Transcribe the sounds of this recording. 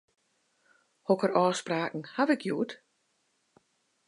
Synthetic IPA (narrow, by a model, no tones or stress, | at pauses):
hɔkərɔːspraːkn̩haʋɪkʰjuːt